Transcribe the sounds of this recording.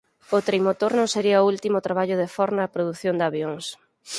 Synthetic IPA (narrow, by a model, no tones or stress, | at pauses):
ot̪ɾejmot̪oɾnõŋseɾiɐoult̪imʊt̪ɾaβaʎʊðefɔɾnɐːpɾoðuθjond̪aβjoŋs